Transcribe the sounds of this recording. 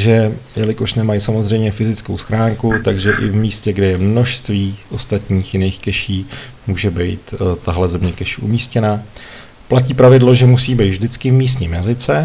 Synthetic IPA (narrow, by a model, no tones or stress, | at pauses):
ʒɛjɛlɪko̞ʃnɛmajsamozr̝ɛjmɲɛfɪzɪt͡skowsxɾaːŋkut̪aɡʒɛʔɪ̰vmiːscɛɡdɛjɛmno̞ʃst̪viːʔo̞st̪at̪ɲiːxjɪnejxkɛʃiː | muːʒɛbɛjt̪t̪aɦlɛzɛmɲɛkɛʃʔumiːscɛna | placiːpɾavɪdlo̞ʒɛmusiːbejt̪vʒdɪt͡skɪvmiːs̬t̪ɲiːmjazɪt͡sɛ